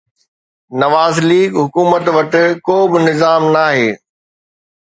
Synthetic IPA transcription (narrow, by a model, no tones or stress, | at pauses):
nɐʋaːzliːɡɦʊkuːmət̪ʋɐʈɪ̆koːbɪnɪzaːmnaːɦeː